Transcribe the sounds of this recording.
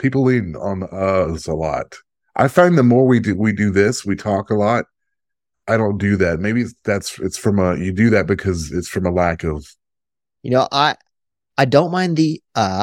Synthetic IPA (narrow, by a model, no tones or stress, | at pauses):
pʰipl̩ˠɪ̃ŋə̰̃nʌzəlɔ̰t̚ | ʔa̰ɪfãɪ̃nðəmɔɹwidɨwidɨðɪswitʰɔkəlɔt̚ | ʔaɪɾõʊ̃nd̥ɨðæt̚meɪbiɨtðætsɨtsfɹʌ̃məjɨdɨðɨt̚b̥ɨkʰʌzɨtsfɹʌ̃məlækʌv̥ | jɨnoʊʔaɪ | aɪdõʊ̃nmãɪ̃nðiʌ